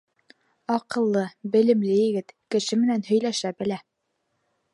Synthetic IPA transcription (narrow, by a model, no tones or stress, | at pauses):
ɑqɤ̆lˠːɤbɘ̆lɘ̆mlɘjɘ̆ɡɘt̪kɘ̆ʃɘmɘ̆nænɦɵ̆jlæʃæbɘ̆læ